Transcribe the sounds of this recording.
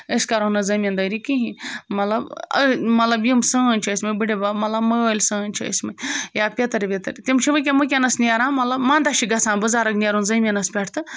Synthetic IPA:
əskɐɾonɐzɐmʲɐnd̪ɐjɾikiɦĩmɐt̪lɐbə̰mɐt̪lɐbjimsɨnʲt͡ʃʰiːsʲmɨbɨɽebamɐt̪lɐbməjoːlʲsɨənʲt͡ʃʰiə̰sʲmɐjaːpʲet̪ɐɾʲʋʲet̪ɐɾʲt̪imt͡ʃʰiʋɨk̬ʲemɨk̬ʲɐnɐsniaɾãːmɐt̪lɐbmãnd̪aʃiɡɐsãːnbɨzaːɾɐknʲiaɾunzɐmʲɐnɐspʲeʈʰt̪ɨ

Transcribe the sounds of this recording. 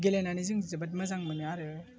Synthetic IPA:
ɡelenanizɯŋzɯbat̬̚mazaŋmɯnɯaɾɯ

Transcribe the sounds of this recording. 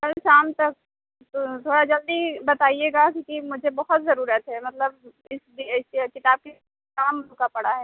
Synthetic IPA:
kɐlʃaːmt̪ɐk̚ | t̪ot̪ʰoːɽad͡ʒɐld̪ibɐt̪aːieːɡakikimʊd͡ʒʱebɔɦɔt̪zɐɾuːɾət̪ɦɛːmɐt̪ləb | ɪsd̪iɪskɪt̪aːb̚ke | naːmʊkapɐɽaɦɛː

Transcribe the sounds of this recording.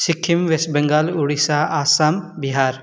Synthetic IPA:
sɪkʰːimʋesbɐŋɡaːluɽisaːʔaːsaːmbiɦaːɾ

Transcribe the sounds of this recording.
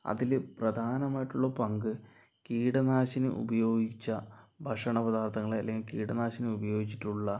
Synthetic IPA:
ɐ̰ðilprɐd̪ʱaːnɐmaːjiʈːuɭːɐpɐŋɡɨ | kiːɽɐnaːɕinɨ̰ʔṵbɐjo̞ːɡit͡ɕːɐbʱɐʂɐɳɐpɐd̪aːrt̪ʰɐŋːɐɭeɐ̰lːeŋɡilkiːɽɐnaːɕinɨubɐjo̞ːɡit͡ɕːi̥ʈːuɭːɐ

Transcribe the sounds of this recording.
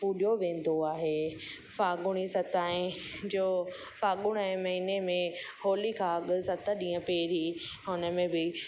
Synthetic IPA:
puːɗjoʋẽːn̆d̪oaːɦeː | faːɡʊɽ̃isɐt̪aːẽd͡ʑoː | faːɠʊɽ̃ɛ̃mɐɦinemẽhoːlikʰãɐɠʊsɐt̪əɗĩːə̃peːɾiɦʊnəmẽbɪ

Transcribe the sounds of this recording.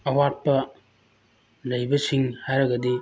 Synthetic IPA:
ɐwat̚pɐ | lɐjbɐsiŋhajɾɐɡɐdi

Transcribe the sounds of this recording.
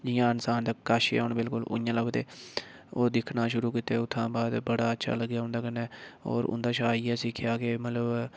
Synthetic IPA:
d͡ʒɪjãːɪnsaːnd̪akaːʃʊɳbɪlkʊlʊ̰jãːləbt̪eːoːd̪ɪkʰnaːʃʊɾuːkiːt̪eːʊt̪ʰːãːbaːd̪bəɽaːətːʃʰa̰ːləɡjaːʊ̃nd̪aːkənːɛːɔ̰ːɾʊ̰nd̪aːʃaːiːɛːsɪkʰɪjaːkeːmət̪ləb

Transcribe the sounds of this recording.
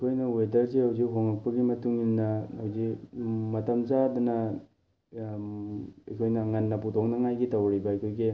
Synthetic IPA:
ɐjkʰojnɐwedɐɾsiɦawziɦoŋɐk̚pɐɡimɐtuŋinːɐawzimɐtɐmzadɐnɐ | ɐjkʰojnɐŋɐnːɐp̬utʰok̚nɐŋajɡitɐwɾibɐɐjkʰojɡi

